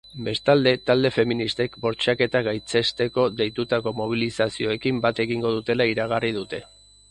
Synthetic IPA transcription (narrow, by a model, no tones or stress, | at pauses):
be̞st̪ald̪e̞t̪ald̪e̞fe̞minist̪e̞kbo̞ɾt͡ʃake̞t̪aɣajt͡se̞st̪e̞ko̞ðe̞jt̪ut̪ako̞mo̞β̞ilisasio̞e̞kimbat̪e̞ɣiŋɡo̞ðut̪e̞laiɾaɣ̞arið̞ut̪e̞